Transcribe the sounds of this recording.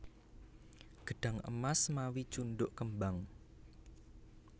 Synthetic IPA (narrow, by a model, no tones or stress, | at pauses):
ɡ̥ə̤ɖ̥a̤ŋə̰masmawit͡ʃunɖʊʔkəmbaŋ